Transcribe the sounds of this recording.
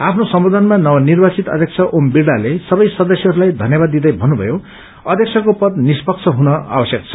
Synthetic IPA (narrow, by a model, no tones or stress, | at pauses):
apʰnosʌmbod̪ʱʌnmanʌwʌnirbat͡sit̪ʌ̰d̪ʱjʌk̚t͡sʰʌʔombiɾɽalesʌbʌjsʌd̪ʌsjeɦʌɾulajd̪ʱʌnjʌbad̪ːid̪ʌjbʱʌnːubʱʌ̰jo | ʌd̪ʱjʌkt͡sʰʌkopʌd̪nispʌkt͡sʰʌɦunʌa̰bʌsjʌk̚t͡sʰʌ̥